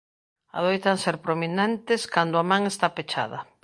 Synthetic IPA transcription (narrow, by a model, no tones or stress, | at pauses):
a̰ðojt̪aŋseɾpɾominɛ̃nt̪ɪskand̪ʊamãŋest̪apet͡ʃa̰ð̞ɐ